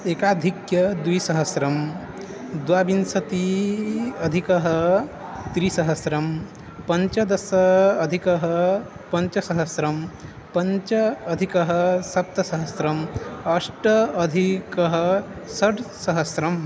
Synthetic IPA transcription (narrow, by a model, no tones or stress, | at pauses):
eːkaːd̪ʱikjɐd̪wisɐɦɐsɾɐm | d̪ʋaːbinsɐt̪i | ɐd̪ʱikɐɦɐ | t̪ɾisɐɦɐsɾɐm | pɐɲt͡ʃɐd̪ɐsɐːd̪ʱikɐɦɐpɐɲt͡ʃɐsɐɦɐsɾɐm | pɐɲt͡ʃɐːd̪ʱikɐɦɐsɐp̚t̪ɐsɐɦɐsɾɐmɐʂʈɐɐd̪ʱikɐɦɐsɐʈsɐɦɐsɾɐm